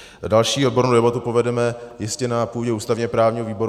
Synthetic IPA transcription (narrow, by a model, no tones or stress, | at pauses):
dalʃiːʔod̚bo̞ɾnowdɛbat̪upo̞vɛdɛmɛjɪscɛnapuːɟɛʔuːst̪avɲɛpɾaːvɲiːɦoviːbo̞ɾ